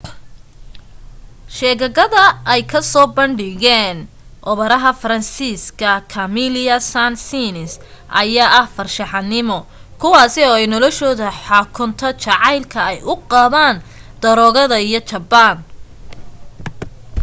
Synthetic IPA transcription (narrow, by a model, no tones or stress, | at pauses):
ʃɛːɣɐɣɐðɐɛjkʰɐsɔːbɐɳɖɪɣɛːn | ʔɔβɐɾɐɦɐfɐɾɐnsiːskʰɐkʰɐmilɐsansinɪsʔɐ̰jaːʔɐhfɐrʃɑħɑnɪmɔkʰʊwɑːsɛɔːɛjnɔlɔʃɔːðɐħɑːkʰʊnt̪ʰɐt͡ʃɑʕɑjlkʰɐɛjʊqɑːðaːnd̪̥ɐɾɔːɣɐðɐijɔt͡ʃɐbaːn